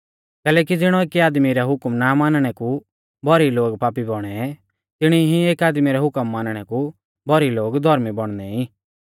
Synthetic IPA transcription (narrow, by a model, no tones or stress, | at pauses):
kɛːlɛːkid͡zɪɽ̃ɔeːkiaːd̪miɾɛɦʊkmnamaːnɽ̃ɛku | bʱɔɾiloːɡpaːpibɔɽ̃ɛ | t̪ɪɽ̃iɦĩeːkaːd̪miɾɛɦʊkəmːaːnɽ̃ɛku | bʱɔɾiloːɡd̪ʱɔɾmibɔɽ̃d̪ɛĩ